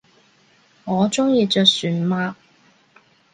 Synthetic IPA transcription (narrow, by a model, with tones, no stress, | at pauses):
ŋɔː˨˧t͡sʊ˥ŋjiː˨˧t͡ʃœː˨˧k̚syː˨˩nmaː˧